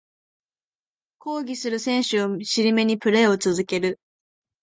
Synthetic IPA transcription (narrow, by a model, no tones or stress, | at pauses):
ko̞ːɡʲisɨɾɯ̟sẽ̞ɰ̃ɕɨoɕiɾʲime̞ɲ̟ipɯ̟ɾe̞ːo̞t͡sɨzɨke̞ɾɯ̟